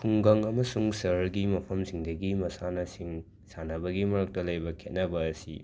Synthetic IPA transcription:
kʰuŋɡɐŋɐmɐsuŋsɐɾɡimɐpʰɐmsiŋdɐɡimɐsanɐsiŋ | sanɐbɐɡimɐɾɐk̚tɐlɐjbɐkʰet̚nɐbɐːsi

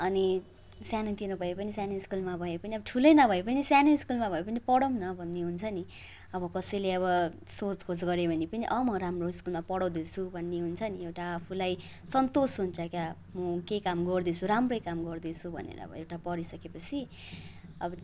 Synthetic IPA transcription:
ʌni | sjanʌt̪inʌbʱʌepʌnisjanoiskulmabʱʌepʌniʌbʌʈʰulʌjnʌbʱʌepʌnisjanoiskulmabʱʌepʌnipʌɽʌmnʌbʱʌnːeɦunt͡sʰʌni | ʌbʌkʌsʌjleʌβʌsot̪kʰod͡zɡʌɾebʱʌnepʌniʔʌmʌɾamroiskulmapʌɽʌwd̪it͡sʰubʱʌnːeɦunt͡sʰʌniewʈaːpʰulaj | sʌnt̪osɦunt͡sʰʌka | mʌkejkamɡʌrd̪it͡sʰuɾamrʌjkamɡʌrd̪it͡sʰubʱʌ̰nḛɾʌ̰ʌ̰bʌ̰ewʈapʌɾisʌkepʌt͡sʰi | ʌ̰bʌ

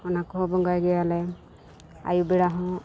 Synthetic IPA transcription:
ɔnakɔɦɔbɔŋɡajɡɛalɛ | a̰jubɛɽaɦɔ̃

